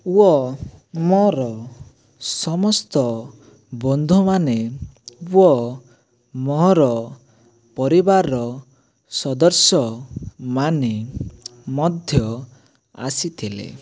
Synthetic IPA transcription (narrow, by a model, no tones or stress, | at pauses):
uɔ | mɔɾɔ | sɔmɔst̪ɔ | bɔnd̪ʱumane | uɔ | mɔɦɔɾɔ | pɔɾibaɾɔ | sɔd̪ɔɾsjɔmane | mɔd̪ʱjɔ | a̰sit̪ʰilḛ